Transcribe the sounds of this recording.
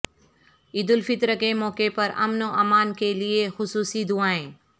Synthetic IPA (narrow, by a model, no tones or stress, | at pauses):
iːd̪ʊlfɪt̪ɾəkemɔːkepɐɾɐ̰mnoʔɐmaːnkeliexʊsuːsid̪uaːɦẽː